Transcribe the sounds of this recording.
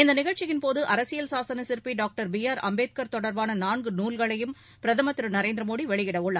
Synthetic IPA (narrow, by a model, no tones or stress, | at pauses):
ɪnd̪ɐnɪɣɐɻt͡ʃɪjɪnpoːðɯʔɐɾɐsɪjɐlsaːsɐnɐsɪɾpiɖaːk̚ʈɐɾbɪjaːɾɐ̰mbeːt̪̚kɐɾt̪ɔɽɐɾbaːnɐnaːɳɡɯnuːlɣɐɭɐjɯm | pɪɾɐðɐmɐt̪ːɪɾɯnɐɾeːnd̪ɾɐmoːɽiʋɛɭɪɣɪɽɐʋʊɭːɐ